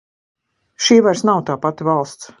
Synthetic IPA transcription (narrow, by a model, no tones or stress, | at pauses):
ʃiːvaɾsnawt̪aːpat̪valˠst̪s